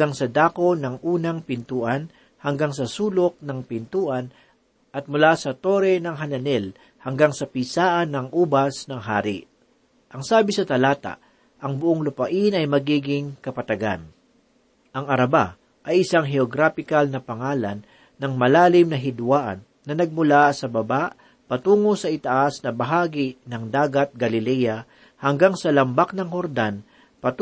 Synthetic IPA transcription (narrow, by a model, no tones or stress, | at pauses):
aŋsɐd̪aːkonɐŋʔuːnɐŋpɪnt̪uːʔɐn | hɐŋɡaŋsɐsuːlok̚nɐŋpɪnt̪uːʔɐn | ʔɐt̪̚mʊlasɐt̪oɾɛnɐŋɦɐnɐnɛl | hɐŋɡaŋsɐpiːsaːʔɐnːɐŋʔuːbɐsnɐŋɦaːɾɪ̰ | ʔɐŋsaːbɪsɐt̪ɐlaːt̪a̰ʔ | ʔɐŋbʊʔoŋlʊpɐʔinɐjmɐɡiːɡɪŋkɐpɐt̪ɐɡa̰n | ʔɐŋɐɾɐba | ʔɐjʔɪsaŋɦɛoɡɾaːfɪkɐlnɐpɐŋaːlɐnː | ɐŋmɐlaːlɪmnɐɦɪd̪waːʔɐ̰nːɐnɐɡ̚mʊlasɐbɐbaʔ | pɐt̪uːŋosɐʔɪt̪ɐʔasnɐbɐɦaːɡɪnɐŋd̪aːɡɐt̪̚ɡɐlɪlɛja | hɐŋɡaŋsɐlɐmbak̚nɐŋhoɾd̪an | pɐt̪